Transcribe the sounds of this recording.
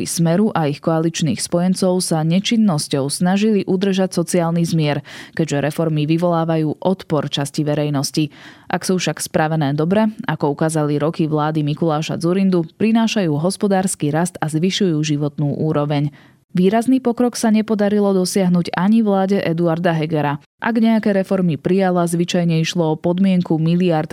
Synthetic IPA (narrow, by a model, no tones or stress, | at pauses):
ismɛɾuʔaixkɔalit͡ʃnḭːxspɔjɛnt͡sɔʊsaɲɛt͡ʃinːɔscɔʊsnaʒiliʔud̪r̩ʒacsɔt͡siaːlnizmɪɛɾkɛɟʒɛɾɛfɔɾmiʋiʋɔlaːʋajuːʔɔt̪pɔɾt͡ʃasciʋɛɾɛjnɔsciʔaksuːfʃakspɾaʋɛnɛːd̪ɔbɾɛakɔukaːzaliɾɔkiʋlaːd̪imikulaːʃa̰d͡zuɾind̪upɾinaːʃajuːɦɔspɔd̪aːɾskiɾast̪azʋiʃujuːʒiʋɔt̪nuːʔuːɾɔʋɛɲ | ʋiːɾazniːpɔkɾɔksaɲɛpɔd̪aɾilɔd̪ɔsɪaɦnuːɟaɲivlaːɟɛʔɛd̪uaɾd̪aɦɛɡɛɾa | ʔa̰ɡɲɛakɛːɾɛfɔɾmipɾijalazʋit͡ʃajɲɛiʃlɔɔpɔd̪mɪɛŋkumiliaɾt̪